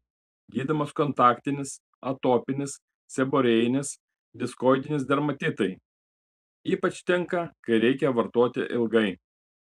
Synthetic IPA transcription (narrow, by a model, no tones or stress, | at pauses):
ɡʲiːd̪ɪmɐskɔnt̪ɑːkt̪ʲɪnʲɪs | ɐt̪oːpʲɪnʲɪs | sʲɛboːɾʲɛjɪnʲɪs | d̪ʲɪskoːɪd̪ʲɪnʲɪsd̪ʲɛɾmɐt̪ʲɪt̪ɐɪ | iːpɐt͡ʃʲt̪ʲɛŋˑkɐkɐɪɾʲɛɪkʲɛʋɐɾt̪oːt̪ʲɪ̰ʔɪlˠɡɐɪ